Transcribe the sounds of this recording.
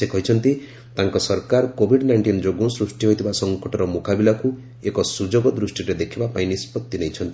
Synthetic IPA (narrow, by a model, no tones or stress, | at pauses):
ekʰɔɦjt͡ʃʰɔnt̪i | t̪aŋkɔsɔɾkaɾkobʱiɖnajɳʈind͡ʒoɡõsɾusʈiɦojt̪ʰibasɔŋkɔʈɔɾɔmokabilaku | ekɔsud͡ʒoɡɔd̪ɾusʈiɾed̪ekʰibapaĩnispɔt̪ːinejt͡ʃʰɔnt̪i